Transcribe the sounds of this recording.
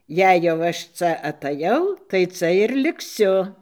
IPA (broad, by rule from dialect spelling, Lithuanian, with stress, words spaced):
ˈjɛɪ jɛʊ ˈɐʃ ˈt͡sɐ ɐtɐˈjɛʊ tɐɪ ˈt͡sɐ ɪr lʲɪkˈsʲʊ